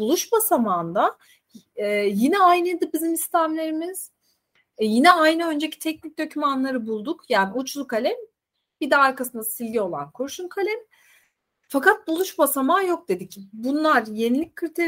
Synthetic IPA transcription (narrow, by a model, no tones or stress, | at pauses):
bulˠuʃbasamaːnd̪a | ɛjinɛajnɯd̪ɯbizimist̪ʰæmlʲe̞ɾimiz̥ | jinɛajnɯø̞nd͡ʒe̞cʰi̥t̪ʰɛc̚nic̚d̪ø̞cʰymanlˠaɾɯbulˠd̪ukjaːniut͡ʃlˠukʰalʲɛm | b̥id̪ɛaɾkʰasɯnd̪asilʲɡʲio̞lˠa̰nkʰoɾʃunkʰalʲɛm | fakat̪̚bulˠuʃbasamaːjo̞k̚d̪e̞d̪icbunlˠaɾje̞nilʲic̚ʲkʰːɾit̪ʰeɾ